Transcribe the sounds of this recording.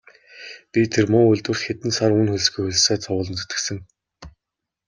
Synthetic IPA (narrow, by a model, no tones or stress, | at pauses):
pʲit̪ʰermʊːʊɮʲt̪wɘ̆r̥t̪xet̪ɘ̆nsarunxɵɮ̆sɡujxɵɮ̆saːt͡sʰɔwʊːɮə̆nt͡sɵ̥t̪ɘ̆ksɘ̆ŋ